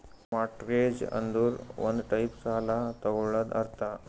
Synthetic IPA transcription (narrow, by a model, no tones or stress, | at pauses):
maʈɾed͡ʑə̰nd̪uːɾʋə̰nd̪ʈajpsalat̪əʋɭəd̪a̰ɾt̪a